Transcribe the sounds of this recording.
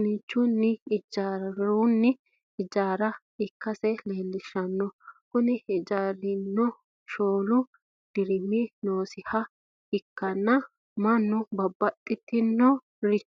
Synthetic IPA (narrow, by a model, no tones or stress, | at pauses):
nɪt͡ʃːʊnːɪɪd͡ʒaɾʊnːɪ | ɪd͡ʒaːɾɐ | ɪkːɐsɛleːlːɪʃɐnːɔkʊnɪɪd͡ʒaːɾɪnːɔ | ʃoːlʊ | d̪̥ɪɾɪmɪnoːsɪhɐ | hɪkːɐnːɐ | mɐnːʊbɐbːɐt̪ʼːɪt̪ːɪnːɔ | ɾɪ